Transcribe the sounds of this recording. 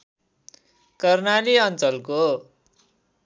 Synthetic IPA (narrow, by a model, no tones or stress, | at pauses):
kʌrnaliʌnt͡sʌlko